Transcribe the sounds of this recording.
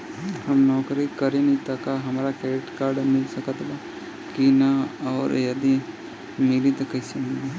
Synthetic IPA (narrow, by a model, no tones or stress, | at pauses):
hɐmnɔːkɾikəɾẽnit̪ɐkaɦɐmːɾakɛːʈkaːɾɖmɪlsəkət̪ba | kinaɔːɾjɐd̪i | mɪlit̪ɐkɐsemɪle